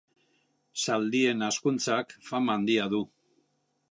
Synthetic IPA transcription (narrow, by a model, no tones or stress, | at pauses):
sald̪ie̞naskunt͡sakfamand̪iaðu